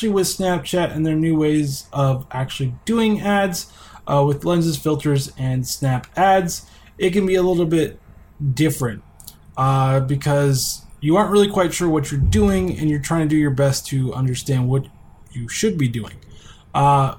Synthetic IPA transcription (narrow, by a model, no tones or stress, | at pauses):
l̩ˠiwɨð̥snæp̚t͡ʃʰæɾɨ̃nðə˞nʉweɪzʔʌvʔæk̚t͡ʃʉl̩ˠidʉɪ̃ŋædz̥ʔwɪðlɛ̃nzɨz̥fɪlˠtʰə˞zɨ̃nsnæpædz | ɨt̚kɨ̃nbiəlɪɾl̩ˠbɪt̚ | d̥ɪfɹɨ̃nt̚ | ʌbɨkʰʌzjɨɑɹnt̚ɹɪlˠikʰw̥aɪtʃʊɹwʌt͡ʃə˞dʉɪ̃ŋɨ̰̃njə˞tʰɹ̥aɪɪ̃ŋtɨdɨjə˞bɛstʰɨʌ̰̃ndə˞stæ̃nd̚wʌt͡ʃ | ɨʃɨd̚bidʉɪ̰̃ŋ